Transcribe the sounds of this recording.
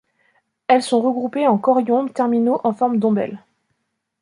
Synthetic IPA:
ɛlsɔ̃ʁəɡʁupeɑ̃kɔʁjɔ̃t̪ɛʁminoʔɑ̃fɔʁmd̪ɔ̃bɛ̰l

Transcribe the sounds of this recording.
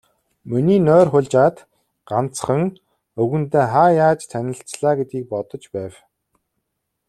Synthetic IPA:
mɵniːnœːrχʊɮʲt͡ɕaːt̪ | ɢ̥an̥t͡sχə̆ŋ | ɵɣɵ̆nt̪eːχaːjaːt͡ɕt̪ʰænʲɪ̆ɬt͡sɮaːɡet̪ɡiːk̚pɔt̪ɞ̆t͡ɕpæːw

